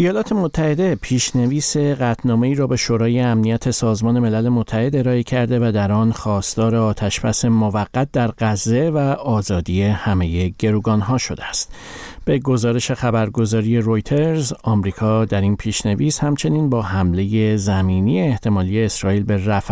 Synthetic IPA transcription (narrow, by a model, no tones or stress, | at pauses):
ijɒːlɒːt̪ʰe̞mo̞t̪ʰːæhe̞d̪e̞pʰiːʃne̞viːse̞ɢæt̪ʰnɒːme̞iːɾɒːbe̞ʃoːɾɒːje̞æmnijæt̪ʰe̞sɒːzmɒːne̞me̞læle̞mot̪ʰːæhe̞d̪e̞ɾɒːecʰæɾd̪e̞væd̪æɾɒːnxɒːst̪ɒːɾeɒːt̪ʰæʃb̥æse̞movæɣːæt̪̚d̪æɾɢæzːe̞væɒːzɒːd̪ije̞hæme̞je̞ɟ̥e̞ɾuːɡɒːnɦɒːʃo̞d̪eæst̪̚ | b̥e̞ɡo̞zɒːɾe̞ʃe̞xæbæɾɡo̞zɒːɾije̞ɾo̞jt̪ʰe̞ɾzɒːmɾiːkʰɒːd̪æɾinpʰiːʃne̞viːshæmt͡ʃʰe̞niːnbɒːɦæmle̞je̞zæmiːnieːht̪ʰe̞mɒːlije̞ːsɾɒːiːlbe̞ræf